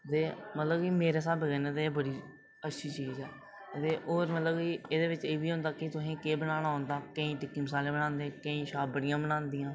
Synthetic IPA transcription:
t̪eːmət̪ləbkimeːɾeːsaːbɡɛːnẽːt̪eeːbəɽiː | ətːʃʰiːt͡ʃiːzɛː | t̪eːʔoːɾmət̪ləbkiːeːd̪eːʋɪt͡ʃeːʋiːɦʊ̃nd̪aːkɪt̪ʊsĩːkeːbəñaːɽ̃aːɦʊ̃nd̪aːkə̃ĩːʈɪkːiːməs̬aːlẽːbəɽ̃ãːnd̪ẽːkə̃ĩːʃaːbəɽɪjãːbənãːnd̪ijãː

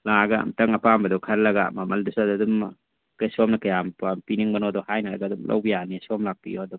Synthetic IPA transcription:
laɡa̰mtɐŋɐpambɐdɔkʰaɾlɐɡa̰mamɐldusaddum | kajsɔmnɐkajampampiniŋbɐnɔdɔhajnalɐ̰ɡadumlʔa̰wbijanisɔmlak̚bḭjodu

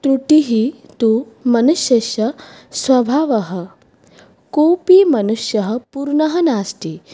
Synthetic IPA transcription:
t̪ɾuʈiɦi | t̪u | mɐnuʃjɐʃɐsʋɐbʱaːʋɐɦɐ̆ | koːpimɐnuʂjɐɦɐpuɾɳɐɦɐnaːsʈi

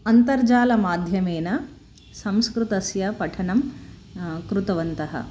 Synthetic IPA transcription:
ɐnt̪ɐɾd͡ʒaːlɐmaːd̪ʱjɐmeːnɐ | sɐmskɾut̪ɐsjɐpɐʈʰɐɳɐm | kɾut̪ɐʋɐnt̪ɐɦɐ̰

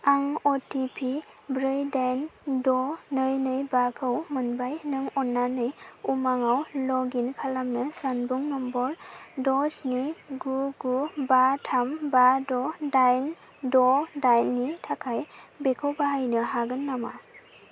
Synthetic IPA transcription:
aŋɔtipʰi | bɾɯjdandɔnɯjnɯjbakʰɯwmɯnbajnɯŋɔnːanɯjumaŋawlɔɡinkʰalamnɯsanbuŋnɔmbɔldɔsniɡuɡubatʰambadɔdajn | dɔdajnːitʰakʰajbekʰɯwbaɦajnɯɦaɡɯnːama̰

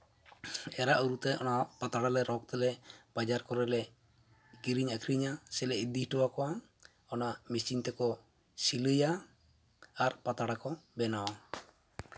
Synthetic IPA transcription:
ɛɾaʔuɾut̪ɛʔɔ̰napat̪aɽalɛɾɔk̚t̪ɛlɛbad͡ʒaɾkɔɾɛlɛ | ɡiɾiɲakʰɾiɲasɛlɛid̪ihʈɔwakɔwa | ɔnamisiɲt̪ɛkɔ | siləja | aɾpat̪aɽakɔbɛnawa

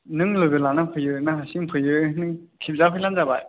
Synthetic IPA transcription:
nɯŋlobelanapʰəjøʔnaɕiŋpʰəjøʔnɯŋkʰizapʰəland͡zaba

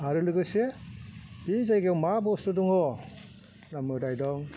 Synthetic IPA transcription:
aɾɯlɯɡɯse | b̥izajɡewmabɔstɯdɔŋɔ | namɯdajdɔŋ

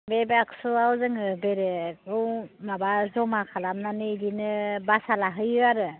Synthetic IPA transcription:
bebeaksuawzɯŋɯbeɾɯɯwmabazɔmakʰalamnanɯilinɯbasalaɦɯjɯaɾɯ

